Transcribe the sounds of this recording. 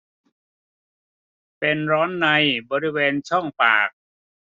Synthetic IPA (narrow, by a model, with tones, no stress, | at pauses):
pe˧nɾɔː˦˥nːa˧jbɔː˧ɾi˦˥weː˧nt͡ɕʰɔ˥˩ŋpa̰ː˨˩k̚